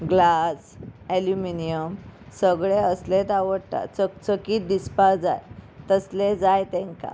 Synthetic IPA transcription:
ɡlas | æljuminijəmsəɡɭeəslet̪aʋəɽt̪a̰t͡sət͡səkiːt̪̚d̪ispad͡za̰jt̪əsled͡zajt̪ẽŋka̰

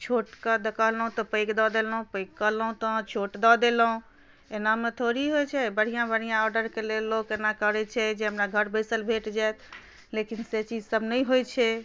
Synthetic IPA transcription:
t͡ʃʰoʈkəd̪əkəɦlɦũt̪ɔpəɪkd̪ɔd̪elɦũpəɪkkːəɦləɦũt̪ɔ̃t͡ʃʰoʈd̪ɔd̪eləɦũ | enamet̪ʰoɾiɦojt͡ʃʰɛbəɽ̤ijãbəɽ̤ijãɔɾɖəɾkelelːokenakəɾɛt͡ʃʰɛd͡ʒeɦəmɾaɡʱəɾbəɪsəlbʱeʈd͡ʒajt̪ʰ | lekinset͡ʃid͡ʒsəbʱnəjɦojt͡ʃʰɛ

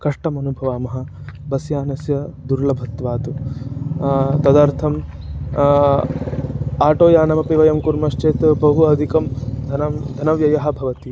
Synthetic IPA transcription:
kɐʂʈɐmɐnubʱɐʋaːmɐɦɐ̆ | bɐsjaːnɐsjɐd̪uɾlɐbʱɐt̪ːʋaːt̪u | t̪ɐd̪aɾt̪ʰɐm | aːʈoːjaːnɐmɐpiʋɐjɐmkuɾmɐʃt͡ʃeːt̪bɐɦuɐd̪ʱikɐmd̪ʱɐnɐd̪ʱɐnɐʋjɐjɐɦɐ̆bʱɐʋɐt̪i

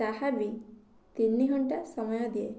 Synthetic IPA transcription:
aɦabi | t̪inːiɦɔɳʈasɔmɔjɔd̪ie

